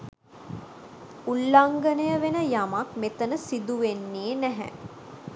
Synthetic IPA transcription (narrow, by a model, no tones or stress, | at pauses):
ulːaŋɡənəjəʋenəjamak̚met̪ənəsid̪uʋenːeːnæɦæ̰